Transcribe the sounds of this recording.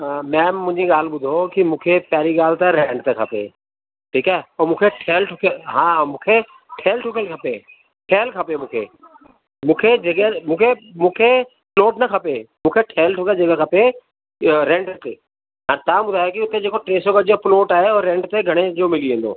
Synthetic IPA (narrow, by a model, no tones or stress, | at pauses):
mɛ̃ːmːʊ̃ɦɪ̃ɲd͡ʑiɠaːl̤ɪ̆ɓʊd̪ʱokimũːkʰepjaːɾiɠaːlt̪eɾẽːɳɖt̪ekʰɐpḛ | ʈʰiːkaɦɛɔmũːkʰeʈʰeːlʈʰʊkʰeɦãːmũːkʰe | ʈʰeːlʈʰʊkelkʰɐpe | ʈʰeːlkʰɐpemũːkʰḛː | mũːkʰed͡ʑeːkemũːkʰemũːkʰe | ploːʈnɐkʰɐpemũːkʰeʈʰeːlʈʰʊked͡ʑeːkakʰɐpe | ɾẽːɳɖt̪e | ãt̪ãːɓʊd̪ʱaːjokiʊt̪ed͡ʑeːkoʈɾeːsokɐd͡ʑoploːʈaːɦeoɾẽːɳʈt̪eɡʱɐɽ̃ed͡ʑoːmɪliʋẽːn̆d̪o̰ː